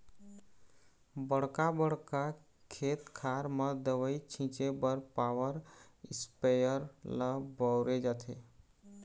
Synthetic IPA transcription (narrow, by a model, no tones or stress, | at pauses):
bəɽkabəɽ̤ka | kʰet̪kʰaɾməd̪əʋəit͡ʃʰĩt͡ʃebəɾpawəɾispejəɾləbəʊɾed͡ʒat̪ʰe